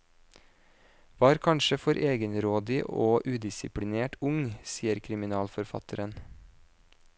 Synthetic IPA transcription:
ʋɑːɾkʰɑnʃəfɔɾʔeːɡənɾoːd̪ɪʔoːʔʉːd̪ɪsɪpʰɽɪneːʈʊŋsiːəɾkʰɾɪmɪnɑːlfɔɾfɑ̰t̪ʰəɾən

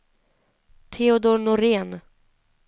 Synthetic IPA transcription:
t̪ʰeʊd̪onʊɾeːn

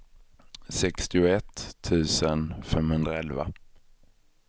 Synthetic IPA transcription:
sɛkst̪ɪʊɛt̪ʰːʉ̟ːsənfɛmhɵnd̪ɾaɛlva̰

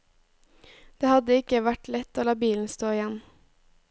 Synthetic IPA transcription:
d̪̥eːhɑd̪əɪkəʋæʈlɛt̪oːlɑːbiːln̩st̪oːɪjɛn

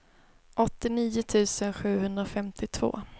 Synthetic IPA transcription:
ʔɔt̪ːɪniːʊt̪ʰʉ̟ːsənɧʉ̟ːhɵnd̪ɾaɔfɛmt̪ʰɪt̪ʰv̥o̰ː

